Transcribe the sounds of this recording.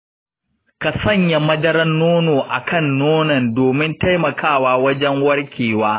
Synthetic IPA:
ka˨sɐ˦˨ɲja˨mɐ˦dɐ˦ɾɐ˦nːoː˦noː˨ʔa˨kʰɐ˦˨nːoː˦nɐ˨ndoː˨mɪ˦nta˦jmɐ˨kʰaː˦˨waː˦wɐ˦d͡ʒɛ˦ŋwɐ˦rkʲiː˨waː˦

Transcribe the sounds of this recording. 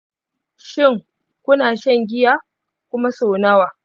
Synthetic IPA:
ʃɪ˦˨ŋ | kʷʊ˦naː˨ʃɐ˦ŋɡʲɪ˦jaː˦ | kʷʊ˦ma˦so˨naː˦waː˨

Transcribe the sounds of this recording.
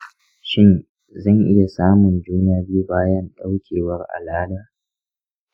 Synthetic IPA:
ʃɪ˦n | zɐ˦˨ŋʔɪ˦ja˨saː˦mʊ˨nd͡ʒuː˦naː˦bu˦baː˦jɐ˦nɗa˦wkʲʰeː˨wɐ˦rʔa̰˨laː˦daː˦

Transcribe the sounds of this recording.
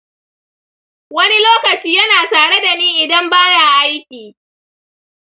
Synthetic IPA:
wɐ˦ni˦loː˦kɐ˨t͡ʃiː˦jɐ˦naː˨taː˨ɽe˦da˨niː˦ʔɪ˨dɐ˦mbaː˦ja˦˨ʔa˦jkʲiː˨

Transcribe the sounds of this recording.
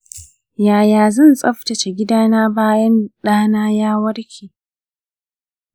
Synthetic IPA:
jaː˨jaː˨zɐ˦˨nsʼɐ˦ɸtɐ˨t͡ʃe˨ɡʲɪ˦daː˦naː˦baː˦jɐ˦nɗaː˦naː˦jaː˦wɐ˦ɽkʲʰiː˨

